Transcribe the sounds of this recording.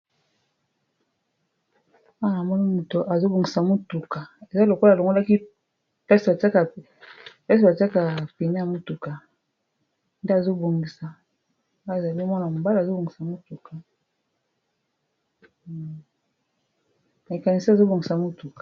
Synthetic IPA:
ma˦na˨mɔ˦ni˦mo˨to˨ʔa˨zo˦bo˨ŋɡi˨sa˨mo˦tu˨ka˨e˨za˦lo˨ko˦llo˨ŋɡo˦la˦ki˦ | pɛ˦si˨ba˨ta˦ka˨ | pɛ˦s̬i˨ba˨ta˦ka˨pi˨ne˦a˨mo˦tu˨ka˨ | nde˦a˨zo˦bo˨ŋɡi˨sa˨˦ | a˦e˨za˨li˦mɔ˦na˨mo˨ba˦la˨zo˦bo˨ŋɡi˨sa˨mo˦tu˨ka˨ | ma˨ka˨ni˨si˦a˨zo˦bo˨ŋɡi˨sa˨mo˦tu˨kḁ˨

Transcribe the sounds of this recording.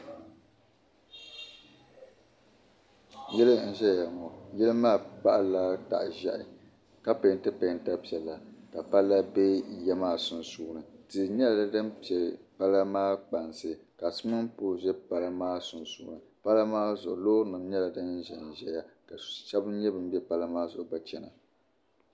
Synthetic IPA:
jɛ˦lɨ˦n̩˦ʒɛ˦ja˨ŋɔ˨jɛ˦lmaː˦pa˦ʔla˦ta̰˨ʔʒɛ˦ʔɪ˨ | ka˦pe˨n˦tɨ˦pe˨n˨ta˦pi˨ɛ˨la˨ka˨pa˦la˦bɛ˦jɛ˦maː˦sʊ˨n˨suː˦nɨ˨tɨ˨ɲɛ˦la˨la˦dɨ˦mpi˨ɛ˨pa˦la˦maː˦k͡pa˨nsɨ˨ka˨sɨ˦mɨ˦mpoː˦˨ʒɛ˦pa˦la˦maː˦sʊ˨nsuː˨˦nɨ˨ | pa˦la˦maː˦zʊ˨ʔʊ˨loː˦ɾnɨ˨m˦ɲɛ˦la˨dɨ˦n̩˦ʒɛ˨n̩˨ʒɛ˦ja˦ka˨ʃa˦bɨ˦ɲɛ˦bɨ˨m˦bɛ˦pa˦la˦maː˦zʊ˨ʔʊ˨ba˦t͡ʃɛ˨na̰˨

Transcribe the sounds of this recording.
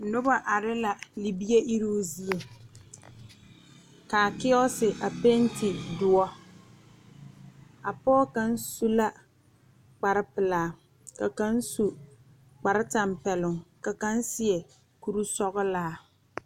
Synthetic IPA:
nʊ˦ba˦ʔa˨ɾɪ˦la˨li˨bi˦e˦ʔi˦ɾo˦zi˦e˨ | ka˨kɪ˦ɔ˦sɪ˨ʔa˨pe˦n˦tɪ˨dʊ˨˦ɔ˦ | a˨pɔː˦ka˦n˦su˦la˦ | k͡pa˨ɾɪ˦pɪ˨laː˨ | ka˨ka˦n̩˦su˨ | k͡pa˨ɾɪ˦ta˨mpɛ˨lʊ˨ŋka˨ka˦n˦sɪ˨ɛ˨ | ku˨ɾu˦sɔ˦ɣʊ˦laː˦˨

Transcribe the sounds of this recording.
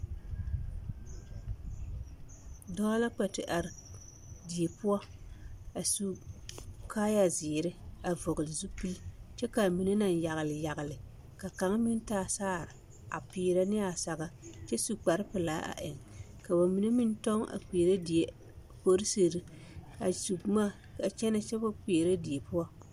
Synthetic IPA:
dɔ˦la˦k͡pɛ˨tɪ˨ʔa˨ɾ | di˨e˨pʊ˦ɔ˦ | a˨su˦ | kʰaː˦ja˨zɪ˨ɾɪ˦a˨vo˨ɣɨ˨lɪ˨zu˦pi˦lt͡ʃɛ˦ka˨mi˨ne˦na˨n˨ja˨ɣɪ˨lɪ˨ja˨ɣɪ˨lɪ˨ | ka˨ka˨˦ŋ˦mɪ˦n˦taː˦˨saː˦˨ɾɪ˨ | a̰˨piː˨˦ɾa˦nɪ˦a˨sa˨ɣa˦t͡ʃɛ˦su˨k͡pa˨ɾɪ˦pɨ˨laː˨˦ʔa̰˨ʔɪ˨ŋ | ka˨ba˨mi˨ne˦mi˦n˦tɔ˦ŋa̰˨k͡pi˨ɾa˦di˨e˨ | ko˦ɾi˦se˨ɾɨ˦ | a˨su˨kmaː˦˨ | ka˨t͡ʃɛ˦na˦t͡ʃɛ˦ba˦k͡pe˨ɾa˦di˨e˨pʊ˦a˦

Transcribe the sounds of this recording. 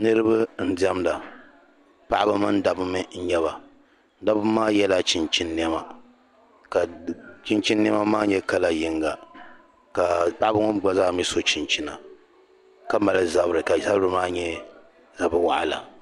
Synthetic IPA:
nɨ˦ɾɨ˦ba˦n̩˦di˦ɛ˦mla˨ | pa˦ʔa˦ba˦mɨ˦n˦da˨bɨ˦mɨ˦n̩˦ɲɛ˦βa˨ | n̩˦da˦bɨ˦mːaː˦jɛ˦la˦t͡ʃi˨nt͡ʃi˦nːi˦ɛ˦ma˨ | ka˨t͡ʃi˦nt͡ʃi˦nːi˦ɛ˦ma˦maː˦ɲɛ˦ka˦la˨jɪ˦ŋɡa˨ | ka˨pa˦ʔa˦ba˦ŋɔ˦nɡ͡ba˦zaː˦˨mi˦so˦t͡ʃi˨nt͡ʃi˦na̰˨ | ka˦ma˨lɨ˦za˨˦bɨ˦ɾɨ˨ka˨za˦bɾɨ˦maː˦ɲɛ˦ | za˨bɨ˦wa˦˨ʔa̰˦la̰˨

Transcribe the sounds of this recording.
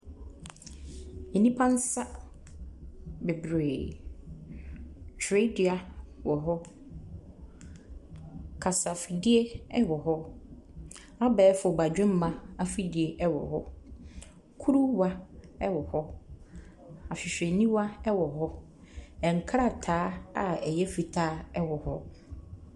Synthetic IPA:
e˨nĩ˦pʰa˦n̩˦sa˦ | be˨bɾeː˨ | tʰɾe˦dɪ˨a˨wɔ˨ɦɔ˦ | kʰa˨sa˨fi˨di˦e˦ɛ˦wɔ˨ɦɔ˦ | a˦bɛː˨˦fʊ˨ba˨d͡ʑᶣɪ̃˦m̩˦mã˨a˦fi˦di˨e˨ʔɛ˦wɔ̰˨ɦɔ˦ | kʰu˦ɾu˦wa˦ɛ˦wɔ˨hɔ˦ | a˨ɕᶣɪ˨ɕᶣe˨nĩ˦wa˦ɛ˦wɔ˨ɦɔ˦ | ɛ̃˨ŋ̩˨kʰɾa˨tʰaː˨˦a˨ɛ˨jɛ˦fi˨tʰaː˦ɛ˦wɔ˨hɔ˦

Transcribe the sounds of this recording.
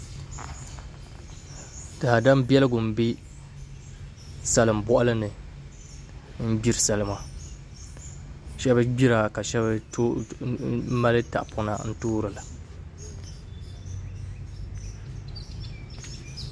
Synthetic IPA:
d̥a˨a˨da˦mbjɛ˦lɨ˦ɡʊ˨m̩˨bi˦ | sa˨lɨ˨m˨bɔ˦ʔa˦lɨ˦nɨ˨ | m̩˦bi˦ɾɨ˨sa˨lɨ˨ma˦ | ʃɛ˦ba˦ɡ͡bi˦ɾa˨ka˨ʃɛ˦b | ma˦lɨ˦ta̰˨ʔpʰɔ˦na̰˨n̩˦toː˦ɾɨ˨la˨

